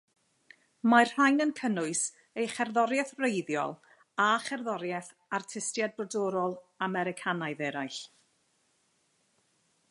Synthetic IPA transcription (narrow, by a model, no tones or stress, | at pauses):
mar̥rajnənkʰənʊɨs | ejχɛrðɔɾjɛθrejðjɔ̰lˠ | aχɛrðɔɾjɛθ | artʰɪstjad̚brɔdɔɾɔlˠamɛɾɪkʰanajðɛɾajɬ